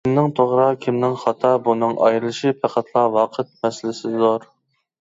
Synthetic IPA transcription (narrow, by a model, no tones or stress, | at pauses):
kʲimnɪŋt̪ʰoʁɾɑkʲʰimnɪŋχɑt̪ʰɑbunɨŋʔɑ̰jɾɨlˠɨʃɪpʰæqʰæt̪ʰlˠɑwɑːqʰət̪̚mɛsɪlɪsɪzoɾ